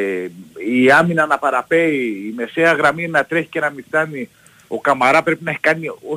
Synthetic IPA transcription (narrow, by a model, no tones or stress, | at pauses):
iɐminɐnɐpɐɾɐpe̞iːme̞seɐɣɾɐminɐt̪ɾe̞çi̥ce̞nɐmist̪ɐni | o̞kɐmaɾɐpɾe̞pinɐeçi̥kɐnio